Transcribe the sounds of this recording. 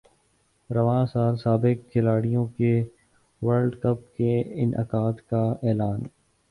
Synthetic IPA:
ɾɐʋãːsaːlsaːbɪkʰːɪlaːɽijõke | ʋɐɾɖkɐp̚keɪnʔə̰kaːt̪kaɛːlaːn

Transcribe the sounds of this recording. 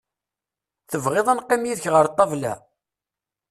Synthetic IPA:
θəvʁeðˤənqːimjiðəçʁəɾt̪ˤːɑvlæ̰

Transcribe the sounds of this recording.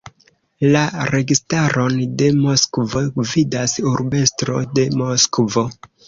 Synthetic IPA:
laɾe̞ɡistaɾo̞nde̞mo̞skvo̞vidasuɾbe̞stɾo̞̰de̞moskvo̞

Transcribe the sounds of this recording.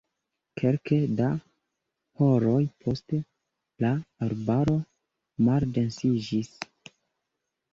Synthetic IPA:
kʰe̞lkeda | ho̞ɾo̞jpʰo̞ste | laːɾbaɾo̞ | malde̞nsid͡ʒis

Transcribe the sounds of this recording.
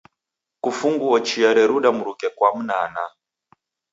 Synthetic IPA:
kufuŋɡuɔt͡ʃiaɾɛɾuɗamuɾukɛkwam̩nana

